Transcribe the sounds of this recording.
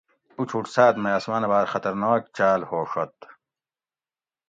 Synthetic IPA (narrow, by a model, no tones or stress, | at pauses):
ut͡ɕʰuʈsaːt̪mɐjaːsmaːnɐbaːɾxɐt̪ɐɾnaːk̚t͡ɕaːlhoːʂɐt̪